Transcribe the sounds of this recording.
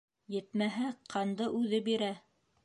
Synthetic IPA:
jɘ̆t̪mæɦæqʰɑnd̪ɤʔʉðɘbiɾæ

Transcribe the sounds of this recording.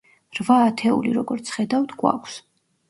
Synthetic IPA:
ɾvaːt̪ʰɛṵliɾɔɡɔɾt̪sʰχɛd̪avd̪ɡwa̰kʰs

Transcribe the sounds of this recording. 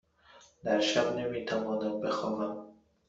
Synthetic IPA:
d̪æɾʃabnemiːt̪ʰavɒːnambexɒːɦæm

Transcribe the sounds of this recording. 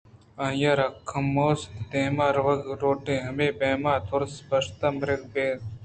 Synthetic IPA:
ɐjɐɾɐkʰːɐmːoːst̪eːmaːɾʋɐɡɾoːʈeːɦɐmeːbeːmaːt̪ʰʊɾsbɐʂt̪ɐmɾɪd̪beːd̪

